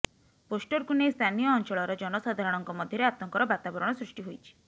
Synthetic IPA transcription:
posʈɔɾkunejst̪ʰanijɔːnt͡ʃɔɭɔɾɔd͡ʒɔnɔsad̪ʱaɾɔɽ̃ɔŋkɔmɔd̪ʱjɔɾeat̪ɔŋkɔɾɔbat̪abɔɾɔɽ̃ɔsɾiʃʈiɦojt͡ʃʰi̥

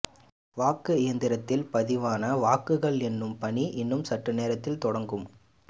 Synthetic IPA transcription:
ʋaːkːɯɪjɐnd̪ɪɾɐt̪ːɪlpɐðɪʋaːnɐʋaːkɯɣɐɭɛnːɯmpɐɳiʔɪnːɯmsɐʈrɯneːɾɐt̪ːɪlt̪ɔɽɐŋɡɯm

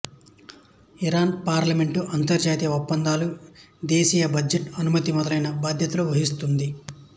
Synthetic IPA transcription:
iɾaːnpaːɾlɐme̞ɳʈuʔɐnt̪ɐɾd͡ʒaːt̪ijɐɔpːɐnd̪aːlu | d̪eːsiːjɐbɐd͡ʒeʈɐnumɐt̪imɔd̪ɐlɐjnɐbaːd̪ʱjɐt̪ɐloʋɐɦist̪und̪i

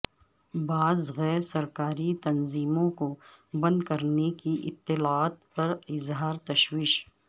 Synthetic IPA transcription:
baːzɣɛːɾsɐɾkaːɾit̪ɐnziːmõkobɐ̃nd̪kɐɾnekiʔɪ̰t̪ːɪlaaːt̪pɐɾɪzɦaːɾt̪ɐʃwiːʃ

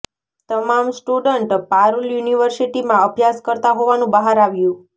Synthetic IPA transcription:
t̪əmamsʈuɖəɳʈpaɾuljuniʋəɾsiʈimãəbʱjaskəɾt̪aɦoʋanũbaɦaɾaʋjũ

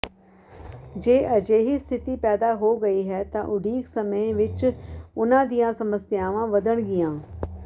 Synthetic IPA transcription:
d͡ʒeːʔəd͡ʒeːɦiːst̪ʰɪt̪iːpɛːd̪aːɦoːɡəiːɦɛːt̪ã̰ːʔʊɖiːksəməẽʋɪt͡ʃʊnãːd̪ijãːsəməsɪjaːʋãːʋəd̪əɳɡɪjãː

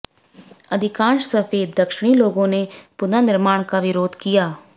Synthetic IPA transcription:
əd̪ʱɪkãːnʃsəfeːd̪əkʃɪɽ̃iːloːɡõːnepʊnaːnɪɾmaːɽ̃kaʋɪɾoːd̪kijaː

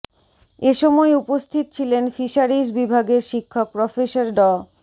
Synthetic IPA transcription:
eʃɔmɔeupost̪ʰit̪ot͡ɕʰilenfiʃaɾisbibʱaɡeɾʃikʰːok̚pɾɔfeʃaɾɖɔ

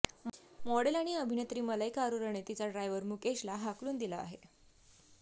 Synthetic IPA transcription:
mɔɽelaɽ̃iəbʱinet̪ɾiːmələjkaɾuɾəɳ̃et̪it͡saɖɾajʋəɾmukeɕlaɦakluːnd̪ilaa̰ɦe

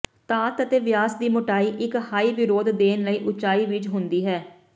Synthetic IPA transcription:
t̪aːt̪ət̪eːʋɪjaːsd̪iːmʊʈaːiːʔɪkhaːiːʋɪɾoːd̪d̪eːnləiːʔʊt͡ʃaːiːʋɪt͡ʃɦʊ̃nd̪iːɦɛː

